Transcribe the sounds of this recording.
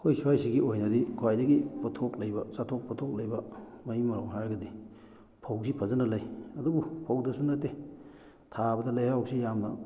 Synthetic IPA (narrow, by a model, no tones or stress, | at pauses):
kʰojsuajsiɡiojnɐdikʰowajdɐɡipɐtʰoklɐjbɐsatʰok̚pɐtʰok̚lɐjbɐmɐimɐɾoŋɦaɾɡɐdi | pʰɐwsipʰɐzɐnɐlɐjɐdubupʰɐwdɐsunatːe | tʰabɐdɐlɐjhawsijamnɐ